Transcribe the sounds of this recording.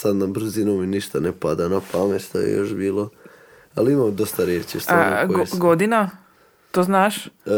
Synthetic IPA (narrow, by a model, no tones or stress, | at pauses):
sad̪nabɾ̩zinominiʃt̪anepad̪anapameʃt̪o̰jḛjo̞̰ʃbiːlˠo | aliimamd̪ost̪aɾjeːt͡ʃist̪a̰oɡoɡod̪ina | t̪oznaʃ